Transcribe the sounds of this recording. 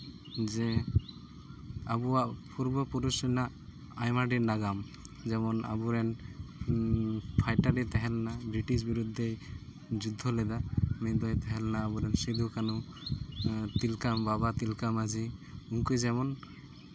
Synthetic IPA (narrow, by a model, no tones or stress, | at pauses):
d͡ʒɛ | abuaʔpuɾbɔpuɾusɔnaʔ | ajmaɖinaɡam | d͡ʒɛmɔna̰buɾɛn | pʰajʈaɾit̪ɛɦɛlnabɾiʈisbiɾud̪ʱːe | d͡ʒud̪ʱːɔlɛd̪amɛd̪ɔjt̪ɛɦɛlnaːbuɾɛnsid̪ʱukanu | t̪ilkambabat̪ilkamad͡ʒiuŋkujd͡ʒɛmɔn